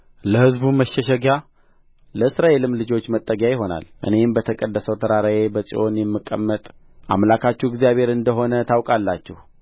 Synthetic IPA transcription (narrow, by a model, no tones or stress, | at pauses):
ləhɨzbuməʃːəʃəɡa | ləɨsɾaelɨmlɨd͡ʒo̞t͡ʃːmət̪ʼːəɡjajɪɦo̞na̰lʔɨ̰ne̞mbət̪ʰəkʼəd̪ːəsəwt̪ʰəɾaɾajebəsʼḭʔo̞njɛmːɨkʼːə̰mːət̪ʼ | ʔa̰mlakʰat͡ʃːuɪɡzjaβe̞ɾɨnd̪əɦo̞nət̪ʰawkʼalːat͡ʃːɛh